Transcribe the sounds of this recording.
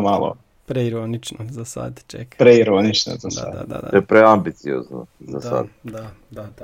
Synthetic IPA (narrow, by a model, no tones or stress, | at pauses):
maːlɔ̰ | pɾɛiɾonit͡ʃnozasa̰d̪t͡ʃɛ̰kpɾɛiɾonit͡ʃnɔ̰zasa̰d̪a̰d̪a̰d̪ajɛpɾɛambit̪sio̰ːzno̰zasa̰d̪d̪a | d̪a